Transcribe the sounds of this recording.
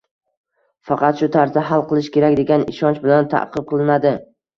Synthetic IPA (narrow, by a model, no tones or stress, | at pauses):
fɑqʰɑt̪ʃʊt̪ʰaɾsaɦalˠqɨlˠɪʃkʲe̞ɾakʲd̪e̞ɡʲanɪ̰ʃɒnt͡ʃbɪlant̪ʰa̰ʔqʰɨb̚qʰɨlˠɪnad̪ɪ